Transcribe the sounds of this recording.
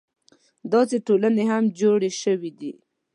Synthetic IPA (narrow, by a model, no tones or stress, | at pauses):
d̪ɑseʈolaneɦamd͡ʒoɽeʃəwid̪i